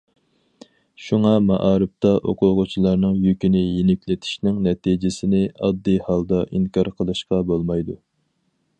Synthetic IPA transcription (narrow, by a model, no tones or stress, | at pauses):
ʃuŋɑmɑʔɑːɾɨp̚t̪ɑʔoqʰʊʁʊt͡ʃʰilˠɑɾnɨŋjykʲinɪjinɪkʲlɪt̪ʰɪ̥ʃnɪŋnɛt̪ʰid͡ʒɪsɪnɪɑd̪ːijhɑlˠd̪ɑʔiŋkʰɑɾqʰəlˠɨʃqɑbolˠmɑjd̪u